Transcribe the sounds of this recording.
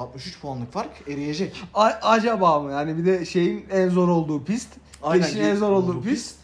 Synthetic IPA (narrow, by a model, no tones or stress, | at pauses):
at̪̚mɯʃyt͡ʃpʰoanlˠɯkfaɾkʰeɾije̞d͡ʒɛcaad͡ʒabaːmɯjaːnibid̪ɛʃe̞jinænzo̞ɾo̞lˠd̪uːpist̪ | eiʃinɛnzo̞ɾo̞lˠd̪uːpist̪